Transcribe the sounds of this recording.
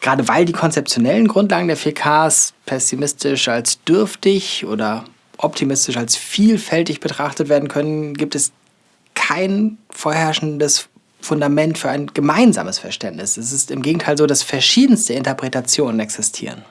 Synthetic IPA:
ɡ̥ʁaːdəvaɪldiːkʰɔnt͡sɛp̚t͡sjonɛlənɡʁʊntlaːɡŋ̩deːɐfekʰaːspʰɛsimɪstɪʃalsd̥ʏɐftɪçʔo̰ːdɐ | ʔɔptʰimɪstɪʃalsfiːlfɛltɪçb̥ətʁ̥aχtətv̥eːɐdn̩kʰœnənɡiːp̚tɛs | kʰaɪnfoːɐhɛɐʃn̩dəs | fʊndamɛntfyːɐaɪnɡ̥əmaɪnza̰ːməsfɛɐʃtɛntnɪsɛs̬ɪstɪmɡeːɡŋ̩tʰaɪlzoːdasfɛɐʃiːdn̩stəɪntɐpʁ̥etat͡sjoːnənɛksɪstʰḭːʁ̞ə̰n

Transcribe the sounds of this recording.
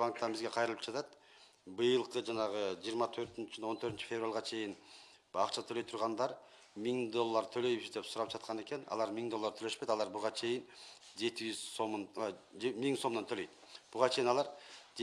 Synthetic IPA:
baŋk̚t̪ɑbizɡʲe̞qʰɑjɾɯlˠɯp̚d͡ʒɑt̪ɑt̪ | bɯjɯlˠqɯd͡ʒɑnɑʁɯd͡ʒijəɾmɑt̪ʰø̞ɾt̪nt͡ʃt͡ʃ̪o̞nt̪ʰøɾt̪ynt͡ʃi̥fʲe̞vralʲˠʁɑt͡ʃʰe̞jɪn | ɑqt͡ʃʰɑt̪ʰøløjt̪ʰuɾʁɑnd̪ɑɾ | miŋd̪o̞lˠːɑɾt̪ʰølø̞jβizd̪e̞psuɾɑp̚d͡ʒɑt̪̚qɑne̞ke̞nɑ̰lˠɑɾmiŋd̪olˠːɑɾt̪ʰølø̞ʃpø̞jt̪ɑlˠɑɾbuʁɑt͡ʃʰe̞jɪn | d͡ʒe̞t̪id͡ʒyz̥sommiŋso̞mnɑnt̪ʰøløjt̪b̥uʁɑt͡ʃʰe̞jinɑlˠɑɾ

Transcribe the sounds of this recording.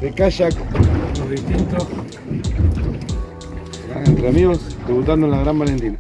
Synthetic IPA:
bekaʃakɾesint̪o | laent̪ɾeamiɣosd̪eβut̪and̪oenlaɣɾambalend̪ina

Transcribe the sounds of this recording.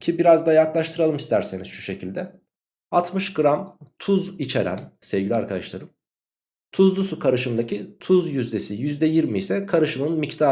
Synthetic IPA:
cʰibiɾazd̪ajaklˠaʃt̪ʰɯɾalˠɯmist̪ʰæɾse̞niz̥ʃu̥ʃe̞cʰilʲd̪ɛ | at̪ʰmɯʃɡɾamt̪ʰuzit͡ʃʰeɾæ̰nsɛvɟilʲiaɾkʰad̪aʃlˠa̰ɾɯm | t̪ʰuzlˠusukʰaɾɯʃɯmd̪acʰit̪ʰuzjyzd̪e̞sijyzd̪ɛjiɾmiːsɛkʰaɾɯʃɯmɯnmict̪ʰaː

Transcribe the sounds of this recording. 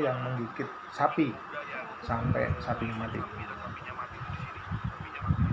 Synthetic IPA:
jaŋməŋɡikɪt̪̚sapi | sampɛ̰ʔsapiŋmat̪ḭ

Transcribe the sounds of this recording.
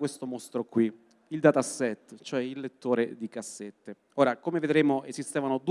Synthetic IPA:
kwest̪omost̪ɾokwi | ild̪at̪asːɛt̪ːt͡ʃoɛilːet̪ːoːɾed̪ikasːet̪ːe | oːɾakomeved̪ɾeːmoezist̪eːvanod̪

